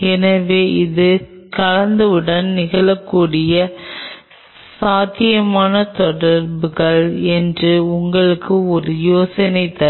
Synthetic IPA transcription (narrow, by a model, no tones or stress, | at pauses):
ɛnɐʋeːɪðɯkɐɻɐnd̪ɯʋɯɽɐnnɪɣɐɭɐkːuːɽɪjɐ | saːt̪ːɪjɐmaːnɐt̪ɔɽɐɾbɯɣɐɭɛndrɯʊŋɡɐɭɯkːɯɔɾɯjoːsɐnɐɪt̪ːɐ